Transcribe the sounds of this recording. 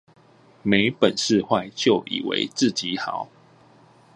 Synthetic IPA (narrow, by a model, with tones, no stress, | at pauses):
me˧˦ɪpə˨˩nʂɻ̩˥˧xwa˥˧ɪt͡ɕjo˥˨ʊʔḭ˨˩wḛ˧˦ɪt͡sɹ̩˥˨t͡ɕi˨˦xɑ˨˦ʊ